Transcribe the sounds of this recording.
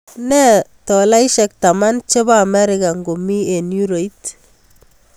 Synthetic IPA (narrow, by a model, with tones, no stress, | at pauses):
nɛ˦tɔ˨la˦iʃɛk̚ta˨ma˦nt͡ʃe˦baːmɛ˦ɾɪka˨ŋɡo˨mi˦e˨nju˦ɾo˨i˦t